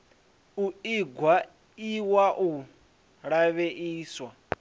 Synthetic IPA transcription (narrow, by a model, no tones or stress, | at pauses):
uiɡwa | iwaʔu | ɺaβeʔiːswa